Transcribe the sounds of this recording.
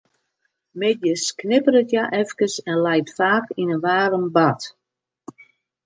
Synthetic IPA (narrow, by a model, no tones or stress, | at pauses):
mɪdjəsknɪpəɾətjaʔɛfkəsɛnlɛjtfaːkinəʋaːɾəmbat